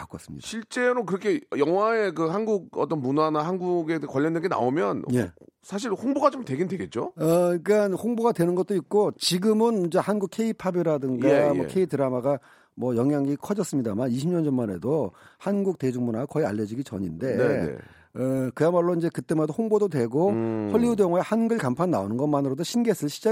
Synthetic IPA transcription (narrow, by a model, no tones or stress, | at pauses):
kak͈ʌs͈ɯmɲid̥aɕʰiɭt͡ɕ͈e̞ɾokɯɾʌkʰe̞jʌŋwae̞kɯhanɡuɡ̚ʌt͈ʌnmunanaɦanɡuɡe̞kwaʎːʌndweŋɡena̰omjʌnje̞sʰaɕ̬ʰiɭhoŋboɡat͡ɕomtwe̞ɡendwe̞ɡe̞t̚t͡ɕ͈oʌik͈anɸoŋboɡadwe̞nɯnɡʌt̚t͈oik̚k͈ot͡ɕiɡɯmɯnmund͡ʑehanɡukʰe̞ipʰabiɾadɯŋɡamʌ̰kʰe̞itɯɾamaɡa | mwʌjʌŋjaŋikʰʌd͡ʑʌs͈ɯmɲidamaniɕʰimɲʌnd͡ʑʌnmane̞̰dohanɡuk̚te̞d͡ʑuŋmunakʌia̰ʎːʌd͡ʑiɡit͡ɕʌɲinde̞̰ | ʌkɯjamaɭːoind͡ʑe̞kɯt͈e̞madoɸoŋbodotwe̞ɡoɸoɭʎːiudjʌŋwaehanɡɯɭkampʰanːaonɯnɡʌmanɯɾodoɕʰinɡesʰɯɭɕʰid͡ʑa